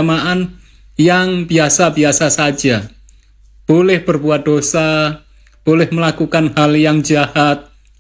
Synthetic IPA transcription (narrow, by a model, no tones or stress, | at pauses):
maʔan | jaŋbiasabiasasḁd͡ʒ̥a | b̥olɛhbərbuat̪̚d̪̥osa | b̥olɛhməlakukanhaljaŋd͡ʒahat̪̚